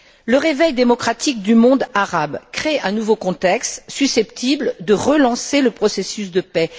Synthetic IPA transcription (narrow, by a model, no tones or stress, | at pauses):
ləʁevɛjd̪emɔkχat̪ik̚d̪ymɔ̃d̪aʁabkχeɛ̃nuvokɔ̃t̪ɛkst̪sysɛpt̪ibld̪əʁəlɑ̃seləpχɔsesysd̪əpɛ